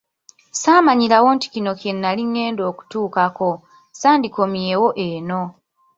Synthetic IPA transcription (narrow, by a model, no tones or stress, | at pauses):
saːmaɲilawo̞nti̥cino̞kinːaliŋːe̞ːndo̞ːku̥tuːkako̞ | saːndiko̞mjewo̞ʔeːno̞